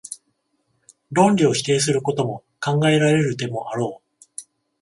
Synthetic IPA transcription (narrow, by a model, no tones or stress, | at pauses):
ɾõ̞nɾʲio̞çi̥t̪e̞ːs̬ɨɾɯ̟ko̞t̪o̞mo̞ | kãŋɡae̞ɾaɾe̞ɾɯ̟t̪e̞mo̞ʔaɾo̞ː